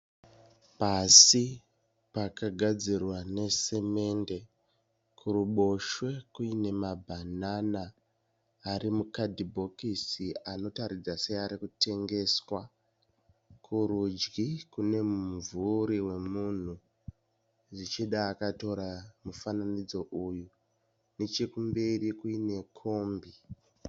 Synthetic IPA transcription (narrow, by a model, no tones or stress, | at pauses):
pasi | pakaɡʱad͡zirwane̞se̞me̞nde̞ | kuruɓo̞ʃwe̞kuine̞mabʱananaː | ɾimukadʱibʱo̞kisiano̞taɾid͡zasejaɾikute̞ŋɡe̞swa | kʰuɾud͡ʒɡikune̞muɱvuɾiwe̞mun̤u | ʐit͡ʃiɗaːkato̞ɾamufananid͡zo̞ʔuju | net͡ʃekumbe̞ɾikuine̞kʰo̞mbi